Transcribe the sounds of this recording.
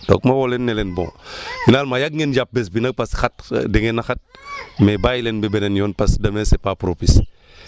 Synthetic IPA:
d̥o̰kmawolenːelɛnbõ̰ŋfinaːlmajaɡ̚ŋend͡ʒap̚bɛs̬binɐɡ̚pasxat̚deŋenaxat̚mebajlenbɛbenenjɔnpasdɐmesepapɾopis

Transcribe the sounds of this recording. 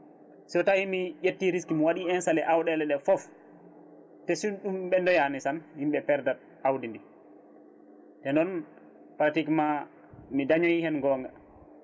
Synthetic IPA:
sɔtawimijetːiɾiskimwaɗiɛnsalɛʔawɗɛlɛɗɛfɔf | tɛsuɗumɓɛndɔjanɛsanhimɓɛpɛɾdat̚ | awdindi | tɛndɔn | pɾatikma | midaɲojihɛnɡɔŋɡa

